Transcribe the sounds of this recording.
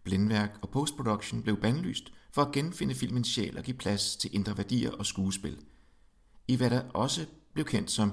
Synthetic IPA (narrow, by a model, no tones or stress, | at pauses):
b̥lenʋæɐ̰ɡ̥ɒ̽pʰoʊsd̥pʰʁod̥oɡ̥ɕo̝nb̥le̝ʊb̥ænly̰ːsd̥fɒ̽æɡ̥enfe̝nəfil̰mənsɕɛ̰ːlɒ̽ɡ̥ḭːpʰlæst͡sʰe̝lʔe̝nd̥ʁɐʋæɐd̥ḭːɐʔɒ̽sɡ̥uːsb̥e̝l | iʋæɾɑʔɒ̽səb̥le̝ʊkʰen̰d̥sɒ̽m